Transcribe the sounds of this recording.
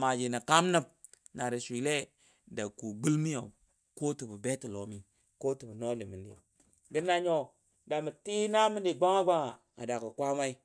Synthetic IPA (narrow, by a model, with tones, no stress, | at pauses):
ma˨d͡ʒi˨na˨ka˦mnə˦p̚ | na˨ɾi˨sʷi˨le˦ | da˨ku˨ɡ͡bu˦lmi˦jo˨ | ko˦ti˨bu˨be˦tu˨lo˨mi˦ | ko˦ti˨bu˨no˦li˨mi˨ndḭ˨ | ɡi˦nːa˦ɲo˦˨ | da˨mi˨ti˦na˦mi˦ndi˨ɡ͡ba˦ŋa˦ɡ͡ba˦ŋa˨ | a̰˨da˨ku˨kʷa˦ma˦i˦